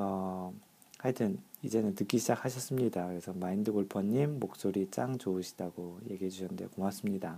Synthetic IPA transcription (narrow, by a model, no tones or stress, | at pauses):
ʌ | haɭtʰɯnid͡ʑe̞nɯntɯk͈iɕʰid͡ʑak̚ʰhaɕʰʌs͈ɯmɲidakɯɾe̞sʰʌmaindɯɡoɭpʰʌɲːimːok̚s͈oɾit͡ɕ͈aŋt͡ɕoɯɕʰi̥daɡoje̞ɡiɦe̞d͡ʑuɕʰʌnndeokomas͈ɯmɲida